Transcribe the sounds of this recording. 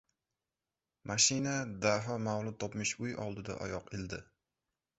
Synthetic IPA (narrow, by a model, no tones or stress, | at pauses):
mʔaʃɪnad̪aɦɒmavlˠʊt̪ʰɒpmɪʃʊjɒ̰lˠd̪ɪd̪a̰ʔɒ̰jɒqeld̪ɪ